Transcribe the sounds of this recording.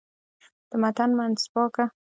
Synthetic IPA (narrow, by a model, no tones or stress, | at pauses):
d̪̥əmat̪anmanspɑka